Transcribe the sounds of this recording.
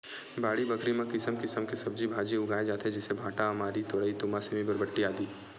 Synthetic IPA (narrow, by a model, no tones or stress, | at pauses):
baːɽibɐkɾiməkɪsəmkɪsəmkesɐb̚d͡ʒibʱaːd͡ʒeʊɡʱaːed͡ʒaːt̪eɦɛ̃d͡ʒɪsebʱaːʈaɦɐmaːɾit̪oɾəit̪ʊmasemĩbɐɾbəʈːiaːd̪iː